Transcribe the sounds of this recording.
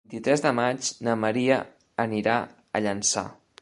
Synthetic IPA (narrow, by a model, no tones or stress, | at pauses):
nt̪it̪ɾɛzðəmad͡ʒnəməɾiə | əniɾa | ə̰ʎənsa̰